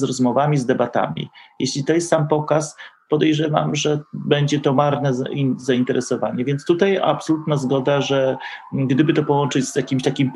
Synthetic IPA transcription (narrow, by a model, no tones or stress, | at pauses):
zɾɔzmɔvamʲizd̪ɛbat̪a̰mʲḭjʔeɕlʲit̪ɔjɛst̪sampɔkaspɔd̪ɛjʐɛva̰mʐɛbɛɲd͡ʑɛt̪ɔmaɾnɛzaint̪ɛɾɛsɔvaɲɛvʲjɛnt̪st̪ut̪aja̰psɔlut̪nazɡɔd̪aʐɛ | ɡd̪ɘbɘt̪ɔpɔwɔnt͡ʂɘd͡ʑz̥jakʲimɕt̪akʲim